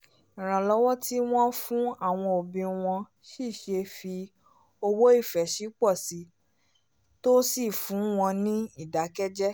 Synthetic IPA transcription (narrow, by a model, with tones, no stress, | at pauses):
ĩ˨ɾ̃ã˨lɔ˦wɔ˦ti˦w̃ɔ̃˦fũ˦a˦˨w̃ɔ̃˧o˨bĩ˧w̃ɔ̃˧ | ʃi˦˨ʃe˧fi˧ | o˧wo˦i˦˨fɛ˨ʃi˨˦k͡pɔ˦˨si˨˦ | to˦si˦˨fũ˨˦w̃ɔ̃˧nĩ˦i˦˨da˨˦kɛ˦d͡ʒɛ˦